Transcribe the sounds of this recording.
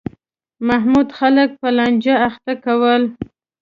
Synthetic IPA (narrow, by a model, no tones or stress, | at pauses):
maɦmud̪xalək̚pəland͡ʒaaxt̪akawəl